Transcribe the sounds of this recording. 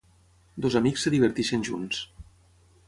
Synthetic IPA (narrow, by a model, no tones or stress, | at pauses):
d̪ozamiksːeðiβəɾt̪iʃenʲʒuns